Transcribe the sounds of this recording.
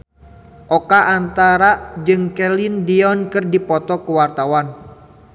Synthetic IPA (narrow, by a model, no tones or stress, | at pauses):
ʔɔkaʔːnt̪aɾad͡ʒɨŋkɛlɪndiɔnkɨrdipɔt̪ɔkəwart̪awan